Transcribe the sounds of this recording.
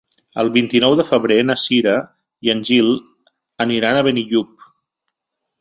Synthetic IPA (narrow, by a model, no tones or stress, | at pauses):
ə̰lˠβint̪inɔwðəfəβɾenəsiɾə | iənʲʒilˠ | əniɾanəβəniʎup̚